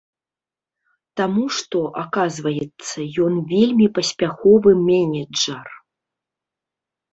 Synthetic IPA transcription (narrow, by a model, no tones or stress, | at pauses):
t̪amuʂt̪ɔʔakazvɐjɛt̪sːɐjɔnvʲelʲmʲipɐsʲpʲaxɔvɨmʲɛnʲɛd͡ʐɐr